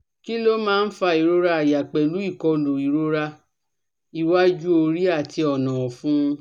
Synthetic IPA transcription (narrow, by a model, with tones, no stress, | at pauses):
ki˦lo˦mãː˦˧n̩˦fa˧i˨ɾo˦ɾa˧a˨ja˨k͡pɛ˨lu˨˦i˦˨kɔ˧lo˨i˨ɾo˦ɾa˧ | i˧wa˦d͡ʒu˦o˧ɾi˦a˦˨ti˧ɔ˨nã˨fũ˦ũ˧